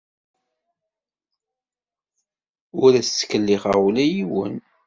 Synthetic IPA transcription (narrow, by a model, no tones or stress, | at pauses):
ʊɾæsːə̥kːəlːiʁa̰ʁulæjiwə̰n